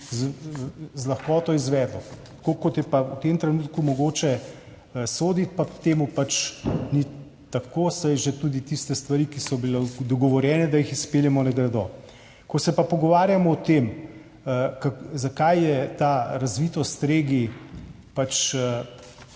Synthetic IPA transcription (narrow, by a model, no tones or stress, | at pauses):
z | zlɐxkɔːt̪ɔizʋɛːd̪lɔt̪kokɔt̪jɛpaut̪emt̪ɾɛnut̪kumɔɡoːt͡ʃɛ | əsoːd̪it̪papt̪eːmupat͡ʃni | t̪akosajʒet̪ud̪it̪ist̪ɛst̪ʋaɾikisɔbilɛd̪ɔɡɔʋɔɾjɛːnɛd̪ajixispeːljɛmɔnɛɡɾɛd̪ɔ | kɔsɛpapɔɡɔʋaːɾjamɔːt̪em | əkazakajjɛt̪aɾazʋit̪ɔst̪ɾeːɡi | pat͡ʃə